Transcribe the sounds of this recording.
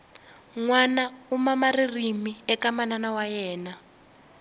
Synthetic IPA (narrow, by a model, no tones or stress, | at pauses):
ŋwanaumamaririmiɛkamananawajɛːna